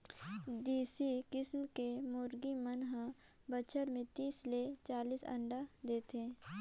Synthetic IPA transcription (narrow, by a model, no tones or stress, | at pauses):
d̪iːsikɪsmkemʊːɾɡimənɦə̃ | bət͡ʃʰəɾmẽt̪iːslet͡ʃaːliːsə̰̃ɳɖad̪eːt̪ẽː